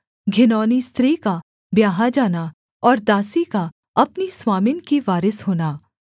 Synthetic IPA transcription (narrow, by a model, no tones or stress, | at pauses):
ɡʱɪnɔːnist̪ɾiːka | bjaːɦad͡ʒaːna | ɔːɾd̪aːsika | ɐpniswaːmɪnkiʋaːɾɪsɦoːnaː